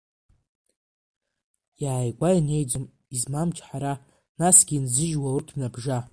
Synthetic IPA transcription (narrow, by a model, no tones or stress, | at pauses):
jaːjɡʷaine̞jd͡zom | izmamt͡ʃʰʼħaɾa | nasɡʲinzɨʒwaurtʰmnabʐa